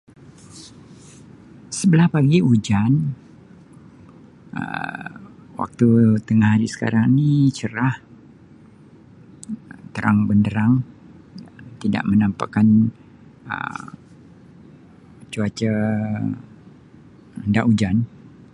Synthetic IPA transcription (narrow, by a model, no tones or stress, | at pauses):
səbəlahpaɡiud͡ʒan | ə̰ | wa̰k̚t̪ut̪əŋahaɾisə̥ka̰ɾaŋnit͡ʃəɾah | ət̪əɾaŋbəndəɾaŋ | t̪ida̰ʔmənampa̰ʔkan | ə̰ | t͡ʃuat͡ʃə | əndaʔud͡ʒan